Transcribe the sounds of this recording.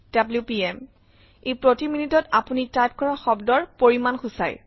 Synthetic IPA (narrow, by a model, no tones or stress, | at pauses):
d̥abljupiɛm | ejpɹotiminitɔtapunitajp̚kɔɹaxɔbdɔɹpoɹimanxusa̰j